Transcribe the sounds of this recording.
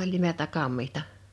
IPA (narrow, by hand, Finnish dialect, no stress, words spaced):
olʲ nimeltæ kɑmːihtɑ